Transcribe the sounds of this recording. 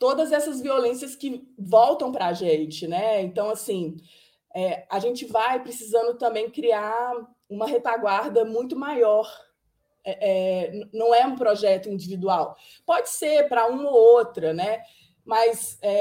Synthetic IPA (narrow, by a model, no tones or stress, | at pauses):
t̪od̪ɐzɛsɐzviolẽsiɐskɪvɔwt̪ɐ̃w̃pɾɐaʒẽt͡ʃɪnɛẽnt̪ɐ̃w̃asĩ | ɛaʒẽnt͡ʃɪvajpɾɪsizɐ̃nd̪ʊt̪ɐ̃mbẽj̃kɾia | ũmɐhet̪aɡwaɾd̪ɐmũj̃t̪ʊmajɔɾ | ɛʔɛnnɐ̃w̃ɛũpɾɔʒɛt̪ʊĩd͡ʒivid̪uaw | pɔd͡ʒɪseɾpɾɐũmɐoot̪ɾɐnɛ | mɐsɛ